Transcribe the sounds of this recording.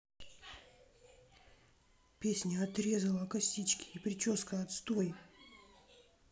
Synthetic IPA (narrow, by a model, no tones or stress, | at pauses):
pʲesʲnʲəɐt̪ɾʲe̞zəlˠəkɐsʲit͡ɕkʲɪ̥ipɾʲɪt͡ɕo̞skəɐt̪st̪o̞j